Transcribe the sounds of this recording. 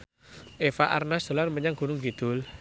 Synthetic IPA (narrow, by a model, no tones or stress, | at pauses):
ʔefaʔa̰rnasd̪̥o̤lanməɲaŋɡ̥uɾʊŋɡid̪̥ʊ̤l